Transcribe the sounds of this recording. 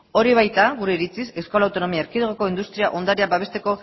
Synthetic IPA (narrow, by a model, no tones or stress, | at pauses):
o̞ɾiβ̞ajt̪aɣuɾe̞iɾit͡sise̞skolawt̪o̞no̞miaeɾkiðoɣoko̞ind̪ust̪ɾiaʔo̞nd̪aɾiabaβ̞e̞st̪e̞ko̞